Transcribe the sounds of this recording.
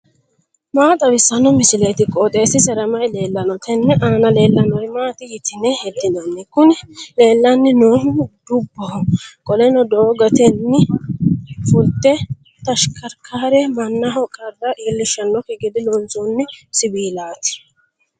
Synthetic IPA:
maːt̪ʼɐbɪsːɐnɔmɪsɪlɛjt̪ɪkʼɔːt̪ʼe̞ːsɪsɛɾɐmɐjle̞ːlːɐnɔt̪ʰɛnːɛʔaːnɐle̞ːlːɐnɔjmaːt̪ɪjɪt̪ɪnɛhɛd̪ːɪnɐnːɪkʊnɛle̞ːlːɐnːɪnoːmd̪ʊbːɔhɔkʼɔlɛnɔd̪oːɡɐt̪ɛnːɪ | fʊlt̪ɛ | t̪ɐʃkʰɐɾkʰaːɾɛmɐnːɐɦɔkʼɐd̪ɐʔiːlːɪʃːɐnːɔkɪɡɪd̪ɪlɔnsɔnːɪsɪbiːlaːt̪ɪ̥

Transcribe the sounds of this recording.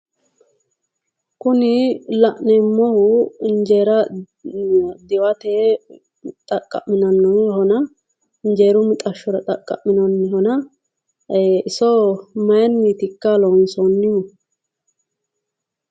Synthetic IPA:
kʊnɪlɐʔnɛmːɔhʊnd͡ʒeːɾɐ | d̪ɪwɐt̪ɛ | t̪ʼɐkʼːɐ̰ʔmːɪnɐnːɔnhɔnɐ | nd͡ʒeːɾʊmɪt̪ʼɐʃːɔɾɐt̪ʼɐkʼːɐ̰ʔmːɪnɔnːɪhɔnɐ | ɪsɔmɐjɐnːiːt̪ɪkːalɔnsɔnːɪu

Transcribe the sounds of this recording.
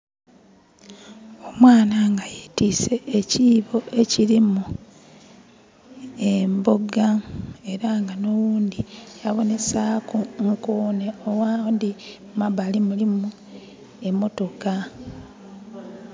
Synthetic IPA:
o̞mwaːnaŋɡajitiːse̞ʔːciːβo̞ʔe̞ciɾimu | emboɡae̞ɾaŋɡano̞wuːndijaβo̞ne̞saːkuŋkoːne̞owaːndi | maβalimulimu | e̞mːo̞to̞ka

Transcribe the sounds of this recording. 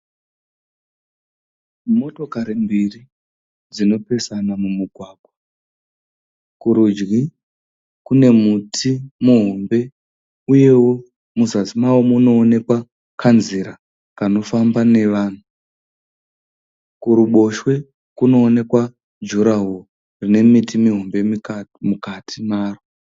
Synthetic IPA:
mo̞to̞kaɾimbiri | d͡zino̞pe̞sanamumuɡʱwaːɡʱwa | kuɾud͡ʒɣi | kune̞mutʰimuɦo̞mbe̞ | uje̞wo̞ | muzazimawomuno̞ːne̞kwa | kʰanzeɾa | kano̞fambane̞ʋaːn̤u | kuɾuɓo̞ʃwe̞ | kuno̞ːne̞kwa | d͡ʒuɾaɦo | rine̞mitimiɦo̞mbe̞mukatʰimaːro

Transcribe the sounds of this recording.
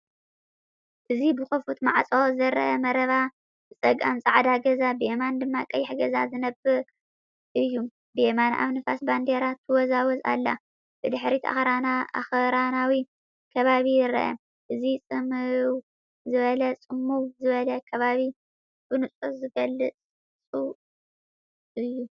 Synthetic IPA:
ʔɨzibɨxɨfut̪maʕt͡sʼozɐɾɐ̰ʔɐmɐɾɐβa | bɨt͡sʼɐɡa̰nt͡sʼaʕd̪aɡɐzabɨemand̪ɨmːakʼɐjħɡɐzazɨnɐbɨɾ | ʔɨjːu | bemanʔa̰βnɨfa̰sband̪eɾat̪ʰɨwɔzawɔza̰lːa̰ | b̥ɨd̪ɨħɾit̪ʰa̰xɾanaa̰xɾanawi | kʰɐβaβijɪɾɐ̰ʔɐ̰ | ʔɨzit͡sʼɨmɨw | zɨβɐlɐt͡sʼɨmːuwzɨβɐlɐkʰɐβaβi | b̥ɨnɨt͡sʼozɨɡɐlːɨt͡sʼ | t͡sʼu | ɨjːu

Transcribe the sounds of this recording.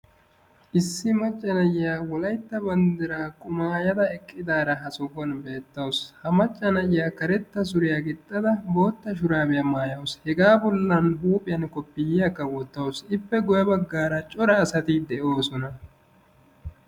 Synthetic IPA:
ʔɪsːɪmɐt͡ʃʼːɐnɐjɪjaːwɔlɐjt̪ːɐbɐnd̪ɪɾaːkʼʊmaːjɐd̪ɐɛkʼːɪd̪aːɾɐɦɐsɔɡɔnbe̞ːt̪ːɐwshɐmɐt͡ʃʼːɐnɐjɪjaːkɐɾɛt̪ːɐs̬ʊɾɪjaɡɪt̪ʼːɐd̪ɐbo̞ːt̪ːɐʃ̬ʊɾaːbɪjɐmaːjɐwshɛɡaːbɔlːɐnɦuːpʼɪjɐnkɔpːɪjɪjɐkːɐwɔt̪ːɐwsɪpːɛɡʊjɐbɐɡːaːɾɐt͡ʃʼɔɾɐːsɐt̪ɪd̪ɛʔoːsɔnɐ

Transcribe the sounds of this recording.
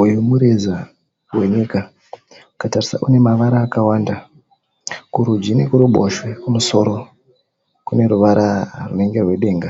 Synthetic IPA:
ujumuɾeza | we̞ɲika | ukatarisa̰ʔune̞maʋaɾaːkawaːnda | kuɾud͡ʒinekuɾuɓo̰ʃwekumuso̞ɾo̞ | kune̞ɾuʋaɾʔarune̞ŋɡe̞rwe̞ɗe̞ːŋɡa

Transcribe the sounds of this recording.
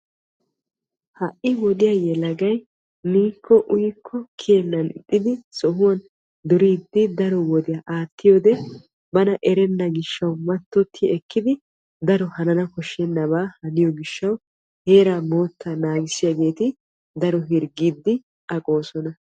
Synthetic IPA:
hɐʔɪwɔd̪ɪjajɛlɐɡɐj | niːkʰːɔʔʊjkʰːɔkʰeɛnːɐnɪt̪ʼːɪd̪ɪsɔhʊwɐn | d̪ʊɾiːd̪ːɪd̪ɐɾɔwɔd̪ɪjaʔaːt̪ːɪjɔːd̪ɛ | bɐnɐʔɛɾɛnːɐɡɪʃːɐwmɐt̪ːɔt̪ʰːɪɛkːɪd̪ɪ | d̪ɐɾɔhɐnɐnɐkɔʃːɛnːɐbaːhɐnɪjɔɡɪʃːɐw | heːɾaːmo̞ːt̪ːanaːɡɪsɪjaɡe̞ːt̪ɪ | d̪ɐɾɔɦɪɾɡiːd̪ːɪ | ɐkʼo̞ːsɔnɐ

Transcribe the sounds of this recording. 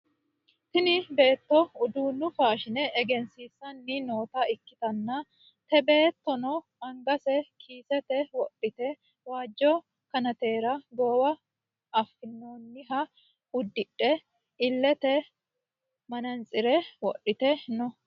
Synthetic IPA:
t̪ɪnɪbe̞ːt̪ːɔʊd̪uːnːʊfaːʃɪnɛʔːɡɛnsiːsːɐnːɪno̞ːt̪ɐɪkːɪ̥t̪ɐnːɐ | t̪ɛbe̞ːt̪ːɔnɔ | ɐŋɡɐsɛkʰiːsɛt̪ɛwɔpʼːɪt̪ɛ | waːd͡ʒːɔ | kɐnɐt̪e̞ːɾɐɡoːwɐː | fːɪnːoːnːɪɦɐ | ʊd̪ːɪᶑːɛ | ɪlːɛt̪ɛ | mɐnɐnt͡sʼɪɾɛwɔɗɪt̪ɛnɔ

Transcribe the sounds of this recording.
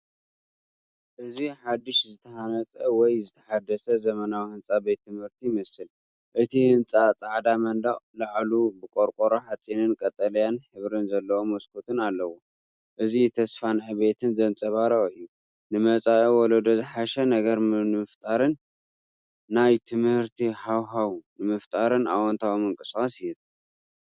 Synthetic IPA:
ʔɨziħad̪ːɨʃzɨt̪ʰɐhanɐt͡s̪ʼɐwɔjzɨt̪ʰɐħad̪ɐsɐzɐmɐnawihɨnt͡sʼabe̞t̪ʰːɨmhɨɾt̪ʰijmɐsɨl | ʔɨt̪ʰihɨnt͡sʼat͡sʼaʕd̪amɐnd̪aɣlaʕlubɨkʼoɾkʼoɾoħat͡sʼːinɨnkʼɐt̪ʼɐlijanħɨβɾɨnzɐlːɐwomɐskʰot̪ʰɨnalːɐwu | ʔɨzit̪ʰɐsfanʕɨβe̞t̪ʰɨnzɐnt͡sʼɐβaɾɐɨjːu | nɨmɐt͡sʼaʔowɔlod̪ozɨħaʃɛnɐɡɐɾmnɨmɨft̪ʼaɾɨn | ajt̪ʰɨmhɨɾt̪ʰihawɦawnɨmɨft̪ʼaɾɨna̰wɔnt̪ʰawmɨŋkʼɨsʼasɪj

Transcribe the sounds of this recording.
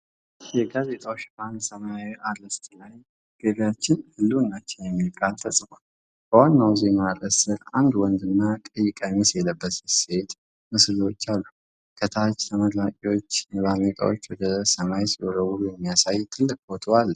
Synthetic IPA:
jɛɡaze̞t̪ʼawot͡ʃːband̪səmajawiʔaɾəst̪laj | ɡ̥əβjat͡ʃːɪnhɨlːunːat͡ʃːɛnjɛmːikʼalt̪ʰəsʼbal | b̥əwanːawzenaɾʼəsɨɾand̪wɔnd̪ɨnːakʼəjːɪkʼaɲusjɛləbːəsse̞t̪ | mɨslot͡ʃːalːu | kʰət̪ʰat͡ʃt̪ʰəməd̪lakʼiwo̞t͡ʃːjɛβamek̪ʼa̰wo̞t͡ʃːwɔd̪əsəmajsiʔoɾəwuɾjɛmːijasajt̪ʰɨlːɨkʼot̪ʰəwal

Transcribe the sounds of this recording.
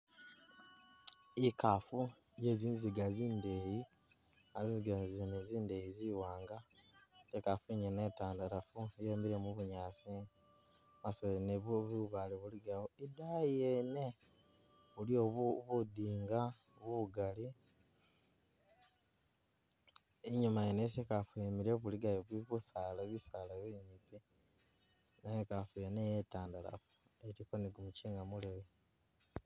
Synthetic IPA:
ikafu | jeziːnziɡaziːnde̞ji | aziːnziɡazineziːndejiziwaːŋɡatekafuiɲenetaːndaɾafujeːmbiɾemuβuɲaːsi | masoeneββuβaliβuliɡawoidaiene | βulioβuβudiːŋɡa | βuβuɡali | eɲumajenes̬ekafuemiɾeβuliɡajoβiβusaːlaβisalaβiɲipi | najekafujenejetaːndala̰fu̥ | eɾikoniɡumuciːŋɡamuleβe

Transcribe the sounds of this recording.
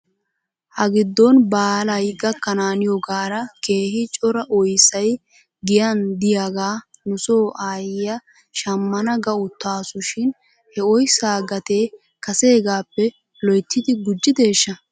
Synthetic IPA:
hɐɡɪd̪ːɔnbaːlɐjɡɐkːɐnaːnɪjɔɡaːɾɐke̞ːhɪt͡ʃʼɔɾɐʔɔjsɐj | ɡɪjɐnd̪ɪjaɡaː | nʊsoːʔaːjɪjɐ | ʃɐmːɐnɐɡɐʊt̪ːaːsʊʃɪn | hɛɔjsaːɡɐt̪e̞ː | kɐse̞ːɡaːpːɛ | lɔjt̪ːɪd̪ɪɡʊd͡ʒːɪd̪e̞ːʃːɐ

